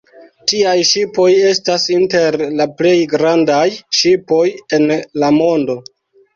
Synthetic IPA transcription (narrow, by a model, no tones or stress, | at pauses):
tiajʃipo̞je̞stasinte̞ɾlaple̞jɡɾandajʃipo̞je̞nlamo̞ndo̞